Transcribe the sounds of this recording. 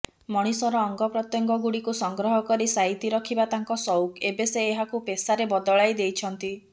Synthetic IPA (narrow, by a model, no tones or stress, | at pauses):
mɔɽ̃isɔɾɔːŋɡɔpɾɔt̪jɔŋɡɔɡuɽikusɔŋɡɾɔɦɔkɔɾisait̪iɾɔkʰibat̪aŋkɔsɔwkebeseːɦakupesaɾebɔd̪ɔɭajd̪ejt͡ʃʰɔnt̪i